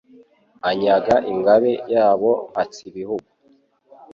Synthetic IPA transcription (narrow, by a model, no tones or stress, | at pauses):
aɲaɡaʔiŋɡaβejaːβoŋat͡siβihuɡu